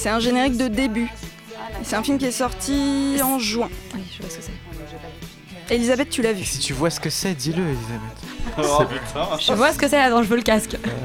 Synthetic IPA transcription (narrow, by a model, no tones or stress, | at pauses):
sɛt̪ɛ̃ʒeneʁik̚d̪əd̪eby | sɛt̪ɛ̃filmkʲiɛsɔʁt̪ʰiɑ̃ʒɥɛ̃iʒaɛ | elizabɛt̪ːylavysit̪yvwasə̥kəsɛd̪iləelizabɛt̪ | ʒəvwasə̥kəsɛavɑ̃ʒəvələkask